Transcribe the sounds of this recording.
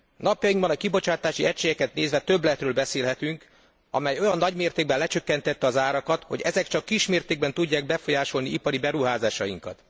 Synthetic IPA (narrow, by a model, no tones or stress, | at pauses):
nɒpjɒjiŋɡbɒnɒkibo̞t͡ʃaːt̪aːʃiɛcʃeːɡɛkɛt̪neːzʋɛt̪ø̞blɛt̪røːlbɛseːlɦɛt̪yŋk | ɒ̰mɛjo̞jɒnːɒɟmeːrt̪eːɡ̚bɛnlɛt͡ʃø̞kːɛnt̪ɛt̪ːɛɒzaːɾɒkɒt̪ho̞ɟɛzɛkt͡ʃɒkːiʃmeːrt̪eːɡ̚bɛnt̪uɟːaːɡ̚bɛfo̞jaːʃo̞lniipɒɾibɛɾuɦaːzaːʃɒjiŋkɒ̰t̪